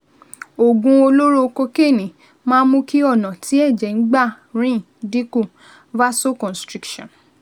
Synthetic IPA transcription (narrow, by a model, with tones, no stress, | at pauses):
o˨ɡũ˧o˧lo˦ɾo˦ko˧ke˦˨nĩ˨ | mãː˦mũ˧˦ki˦ɔ˦˨nã˨ti˨˦ɛ˦˨d͡ʒɛ˨n̩˦ɡ͡ba˦˨ | ɾ̃ĩ˦˨ | di˦ku˦˨ | va˦so˦kɔ̃˨stɾi˧˦kʃɔ̃˨